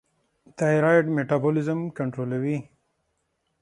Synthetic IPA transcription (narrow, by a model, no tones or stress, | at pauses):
t̪aɾajʈmeʈabolɪzəmkɐɳʈɾoːlawi